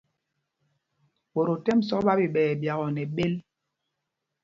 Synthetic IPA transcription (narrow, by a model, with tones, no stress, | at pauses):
ɓo˨ɾo˨tɛ˦m̩˨sɔ˦ɓa˦bi˨ɓɛː˨bja˨ɣɔ˨nɛ˨ɓe˦l